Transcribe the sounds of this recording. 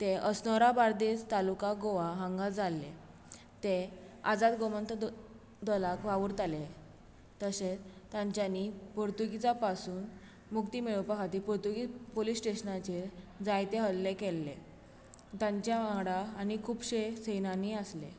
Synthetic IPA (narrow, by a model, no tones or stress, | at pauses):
t̪eʔəsnɔɾabaɾd̪et͡st̪alukaɡoʋaɦãŋɡad͡zalːḛ | t̪ead͡zat̪ɡomənt̪ʰ | d̪ɔlakʋaʋuɾt̪ale | t̪əset͡st̪jãɲt͡ɕjanipoɾt̪uɡit͡sapasuːn | mukt̪iːmeɭopəkʰat̪iːpɔɾt̪uɡipolisʈeɕnat͡ɕed͡zajt̪eɦəllekelːḛ | t̪jãɲt͡ɕjaɦãɡɽaːnikʰuːbɕesejnaniəslḛ